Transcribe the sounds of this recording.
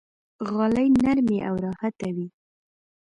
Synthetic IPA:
ɣɑləjnaɾmeʔawɾɑhat̪awi

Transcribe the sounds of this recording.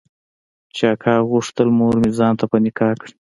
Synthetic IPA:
t͡ʃɑkʰɑɣuʂt̪əlmoɾmizɑnt̪apənɪkɑːkɽi

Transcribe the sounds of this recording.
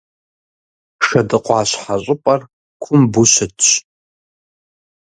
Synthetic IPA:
ʂɐdɨqʷʼɑːɕħaɕʷʼʊpʼɐr | kʷʰʊmbuɕɐtʰɕ

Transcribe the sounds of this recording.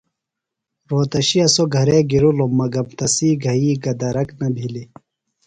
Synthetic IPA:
ɾoːt̪ɐɕiɐsoɡʱɐɾeɡiɾulomɐɡɐmt̪ɐsiːɡʱɐiːɡɐd̪ɐɾɐknɐbʱili

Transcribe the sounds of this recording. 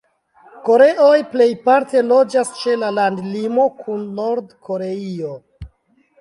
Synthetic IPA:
ko̞ɾe̞ʔo̞jple̞jpaɾte̞lo̞d͡ʒast͡ʃe̞lalandlimo̞kʰunːo̞ɾdkʰo̞ɾe̞io

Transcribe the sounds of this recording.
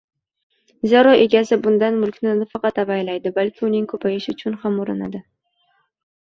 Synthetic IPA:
zaɾɒʔe̞ɡʲasɪbʊnd̪anmʊlˠkʲnɪnafɑqɑt̪avajlajd̪ɪbalkʲʰɪʊnɪŋkʰɵpʰajɪʃɪʊt͡ʃʰʊnhamʊɾɪna̰d̪ɪ

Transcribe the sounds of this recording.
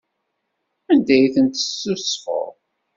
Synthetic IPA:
ænd̪æjθənt̪ə̥sːʊsfo̰ɾˤ

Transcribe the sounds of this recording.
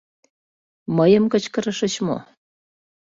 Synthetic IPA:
məjəmkət͡ɕkəɾəʃə̆t͡ɕmo̰

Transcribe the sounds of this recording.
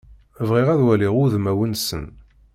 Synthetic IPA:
vʁiʁæðwæliʁʊðmæwənsə̰n

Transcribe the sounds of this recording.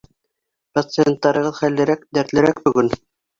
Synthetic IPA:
pat̪sɨent̪ːɑɾɤ̆ʁɤðχælːɘ̆ɾæk̚d̪æɾt̪lɘɾæk̚bɵ̆ɡɵn

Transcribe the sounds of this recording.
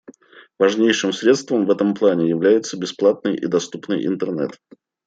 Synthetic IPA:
vɐʐnʲejʂɨmsɾʲe̞t̪st̪vəmvɛt̪əmplˠanʲɪjɪvlʲæjɪt̪səbʲɪsplˠat̪̚nɨjʔɪ̰d̪ɐst̪upnɨjɪ̰nt̪ərnɛ̰t̪

